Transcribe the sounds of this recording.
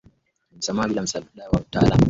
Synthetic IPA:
m̩samabilamsaduɗawamuta̰ːla̰m

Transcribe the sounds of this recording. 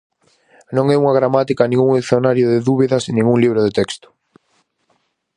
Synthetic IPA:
nõŋɛuŋɐɣ̞ɾamat̪ikɐnĩŋɡuŋeikθjonaɾjoðɪðuβiðɐsinĩŋɡuŋliβɾʊðet̪ɛkst̪ʊ̥

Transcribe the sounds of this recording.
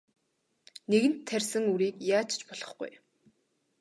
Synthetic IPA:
neɣɘ̆nt̪ʰːærʲsɘ̆ŋuɾiːkjaːt͡ɕt͡ɕpɔɮɞ̆χɡṵj

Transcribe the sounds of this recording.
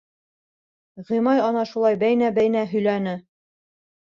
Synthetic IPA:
ʁimɑjɑnɑʃulˠɑjbæjnæbæjnæɦɵ̆jlænɘ

